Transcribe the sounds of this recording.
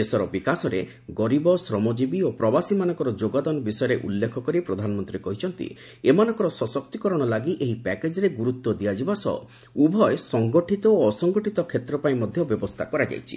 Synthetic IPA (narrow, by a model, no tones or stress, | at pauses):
d͡ʒesɔɾɔbikasɔɾe | ɡɔɾibɔsɾɔmɔd͡ʒibiopɾɔbasimanɔŋkɔɾɔd͡ʒoɡad̪ɔnɔbisɔjɔɾeʔṵlːekʰɔkɔɾipɾɔd̪ʱanɔmɔnt̪ɾiekɔɦit͡ʃʰɔnt̪ḭ | emanɔ̃ŋkɔɾɔsɔsɔk̚t̪ikɔɾɔɽ̃ɔlaɡiʔeɦipɛked͡ʒɔɾeɡuɾut̪ːɔd̪iad͡ʒibasɔ̰ | ubʱɔesɔŋɡɔʈʰit̪ɔoɔsɔŋɡɔʈit̪ɔkʰet̪ɾɔpaĩmɔd̪ʱjɔbjɔbɔst̪ʰakɔɾad͡ʒa̰jt͡ʃʰḭ